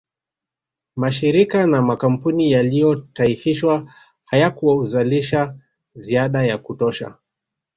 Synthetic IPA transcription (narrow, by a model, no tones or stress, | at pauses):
maʃiɾikanamakam̩punijalijɔtaifiʃwa | hajakuwauzaliʃa | ziaɗajakutɔʃa̰